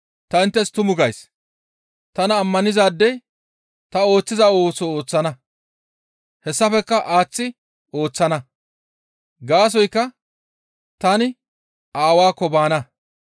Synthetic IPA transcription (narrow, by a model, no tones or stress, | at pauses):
t̪ɐɪnt̪ːɛst̪ʊmʊɡɐjs | t̪ɐnɐːmːɐnɪzaːd̪ːɛj | t̪ɐo̞ːt͡sːɪzao̞ːt͡sːɔo̞ːt͡sːɐnɐ | hɛsːɐfɛkːɐʔaːt͡sːɪ | o̞ːt͡sːɐnɐ | ɡaːs̬ɔjkːɐ | t̪ɐnɪ | aːwaːkːɔbaːnɐ